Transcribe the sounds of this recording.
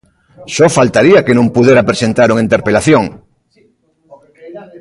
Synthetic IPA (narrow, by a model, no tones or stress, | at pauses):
ʃɔfalt̪aɾiakenõmpuðjeɾapɾesent̪aɾuŋĩnt̪eɾpelaθjoŋ